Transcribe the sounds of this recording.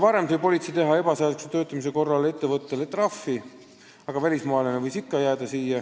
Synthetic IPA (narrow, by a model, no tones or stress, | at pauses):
vɑɾe̞md̪vɯjpo̞lʲit̪sejt̪e̞ɦɑe̞b̥ɑseːd̪ukset̪ø̞ːt̪ːˑɑmis̬e̞ko̞rːɑle̞t̪ːe̞vɤt̪ːe̞let̪ːˑrɑfːi | ɑɡ̥ɑvælʲismɑɑlenevɤjsikːɑjæːd̪̥ɑsiːjɑ